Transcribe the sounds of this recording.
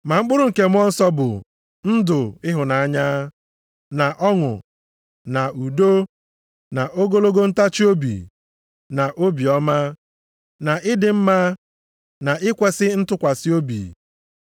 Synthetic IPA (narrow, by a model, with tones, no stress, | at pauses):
ma˨ŋ͡m̩˦k͡pʊ˦ɾʊ˦ŋ̩˨ke˦m̩˦ɔ˦n̩˦sɔ˦bʊ̰˨ | n̩˦dʊ˨ɪ˦ɦʊ˨na˨a˦ɲa˦ | na˨ʔɔ˦ŋʊ̰˨ | na˨u˨do˦ | na˨ʔo˦ɡo˦lo˦ɡo˦n̩˦ta˦t͡ʃi˦o˦bḭ˨ | na˨ʔo˦bi˨ɔ˦ma˦ | na˨ɪ˦dɪ˨m̩˦ma˦ | na˨ɪ˦kʷe˦sɪ˦n̩˦tʊ˦kʷa˨si˦o˦bḭ˨